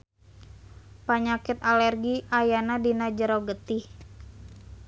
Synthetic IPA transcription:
paɲakɪt̪alɛrɡiʔajanadinad͡ʒəɾoɡət̪ɪh

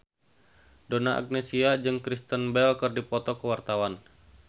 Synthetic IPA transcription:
donaʔa̰k̚nɛsiad͡ʒɨŋkɾist̪ənbɛlkərdipɔt̪ɔkəwart̪awan

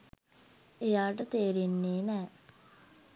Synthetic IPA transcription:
ejaːʈət̪eːɾinːeːnɛː

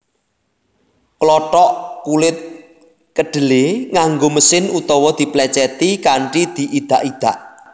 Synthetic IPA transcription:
klɔʈɔʔkulɪt̪̚ | kəɖ̥ə̤leŋaŋɡoməsɪnut̪ɔwɔd̪̥i̤plɛt͡ʃɛt̪ikaɳʈid̪̥i̤ʔid̪̥a̤ʔid̪̥a̤ʔ

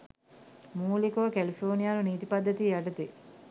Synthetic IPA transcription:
muːlikoʋkælifʰoːnijaːnuniːt̪ipɐd̪ːɐt̪iːjæɖɐt̪i

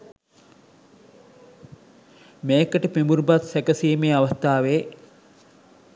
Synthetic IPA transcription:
mejːkəʈəpimbuɾbat̪sækəsiːmeaʋast̪aːʋeː

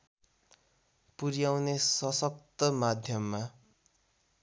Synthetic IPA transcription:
puɾjawnesʌsʌkt̪ʌmad̪ʱjʌmːa

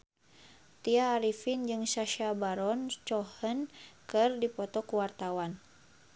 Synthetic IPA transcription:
t̪iaːɾifind͡ʒɨŋsaʃabaɾɔnt͡ʃɔhənkɨrdipɔt̪ɔkuwart̪awan

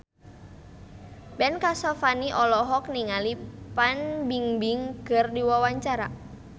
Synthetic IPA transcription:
bɛnkasɔfaniʔɔlɔɦɔk̚niŋalipanbiŋbiŋɡərdiwawaɲt͡ʃaɾa

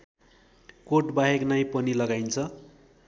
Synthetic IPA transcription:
koʈbaɦeknajpʌnilʌɡajnt͡sʰʌ

